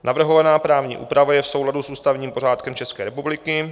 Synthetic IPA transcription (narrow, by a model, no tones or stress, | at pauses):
navr̩ɦovanaːpɾaːvɲḭːʔṵːpɾavajɛfso̞wladusuːst̪avɲiːmpo̞r̝aːt̪kɛmt͡ʃɛskɛːɾɛpublɪkɪ